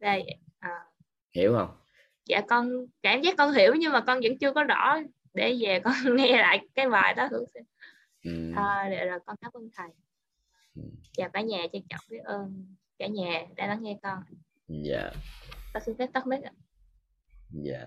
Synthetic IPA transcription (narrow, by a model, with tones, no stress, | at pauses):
zə˧˩jʔəː˨˩ | hi˧˩˦əwhə˧wŋ͡m | zaː˧˩kɔ˧nkaː˧˩mzaː˦˥k̚ːɔ˧nɦi˧˩əwɲɨ˧ŋmaː˨˩kɔ˧nzə̰˧˥ŋt͡ɕɨ˧əkɔ˨˦zɔ̰˧˥ | ɗe˧˩zɛ˨˩kɔ˧nŋɛ˧la̰ː˧˨jkaː˨˦jvaː˨˩jɗɔ˨˦hɨ˧˦wsi˧˩˨ | t̪ʰə˧˩ɗḛ˧˨˩zo˨˩jkɔ˧nkaː˦˥p̚ʔə˧nt̪ʰa˨˩ŋ˨˩ | vaː˨˩ɓaː˧˩˦ɲaː˨˩t͡ɕa˧t͡ɕə̰˧˨wŋ͡mki˨˦ʔəː˧nkaː˧˩ɲɛː˨˩ɗa̰ː˧˦la˧˨˦ŋŋɛ˧kɔ˧n | ja̰ː˧˩t̪ɔ˧˩si˧fɛ˦˥p̚t̪ɔ˦˥k̚mi˦˥k̚ʔa̰˧˨˩ | ja̰ː˧˨˩